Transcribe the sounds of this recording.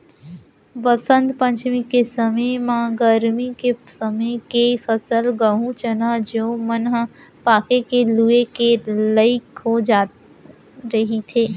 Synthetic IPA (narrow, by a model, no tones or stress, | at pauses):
ʋəsə̃nd̪pə̃ɲt͡ʃmikesəməjmãɡəɾmikesəməjkefəsəlɡəɦũt͡ʃənad͡ʒoːmənɦpaːkekeluekeləɪkɦod͡ʒaː | ɾɐɦit̪ʰeː